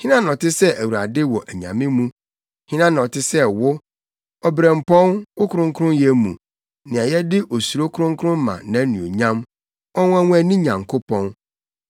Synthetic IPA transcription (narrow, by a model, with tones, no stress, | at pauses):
hĩ˦nã˦nɔ̃˨tɪ˦sɛ˦ʔæ˨wu˨ɾa˨dɪ˦wɔ˨ʔæ˨ɲã̰˨mɪ̃˦mũ˦ | hĩ˦nã˦n˨ɔ˨tʰɪ˦sɛ˦wʊ˦ | ɔ˨bɾɛ̃˨m˨pʰɔ̃˦nwʊ˦kʰʊ˨ɾʊ̃˦ŋ˦kʰɾʊ̃˦jɛ˦mṵ̃˨ | nɪ̃˨a˨jɛ˦dɪ˦ʔo˨su˨ɾo˦kʰɾʊ̃˦ŋ˦kʰʊ˦ɾʊ̃˦m˦mã̰˨nã˨˦nĩ˨o̰˨ɲã˦m | ɔ˦ŋ̃˦æ˦wʷũ˦æ˨nĩ˦ɲã˨ŋkʰo˦pʰɔ̃˦n